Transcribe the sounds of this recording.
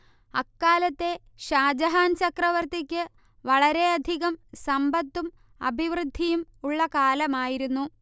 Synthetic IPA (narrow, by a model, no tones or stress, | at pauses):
ɐkːaːlɐt̪ːe̞ | ɕaːd͡ʑɐɦaːnt͡ɕɐkrɐʋɐrt̪ikʲːɨ | ʋɐɭɐɾe̞ɐd̪ʱiɣɐmsɐmbɐt̪ːum | ɐ̰bʱiʋrɨd̪ʱːijumuɭːɐkaːlɐmaːjiɾunːu